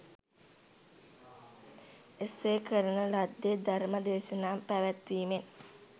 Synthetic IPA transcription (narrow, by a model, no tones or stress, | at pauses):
esːeːkəɾənəlad̪ːed̪aɾməd̪eːʃənaːmpæʋæt̪ʋiːmen